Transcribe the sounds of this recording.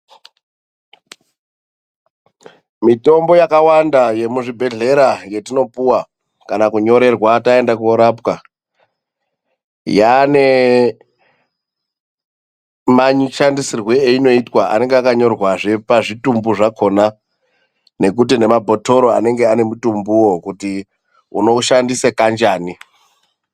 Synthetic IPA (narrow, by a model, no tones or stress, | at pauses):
mito̞mbo̞jakawandaje̞muʐibʱe̞ɮe̞ɾaje̞tino̞puwa | kanakuɲo̞ɾe̞rwatae̞ndakuoɾapka | jane̞ | maɲiʃandisirwe̞eino̞itwaʔa̰ne̞ŋɡeakaɲo̞rwaʐe̞paʐitumbuʐakona | ne̞k̬ut̬ine̞mabʱo̞to̞ɾo̞a̰ne̞ŋɡeane̞mutumbuwokuti | ṵno̞ʃandisekand͡ʒaːni